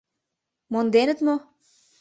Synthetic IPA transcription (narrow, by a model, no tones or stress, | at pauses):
mond̪enɘ̆t̪mo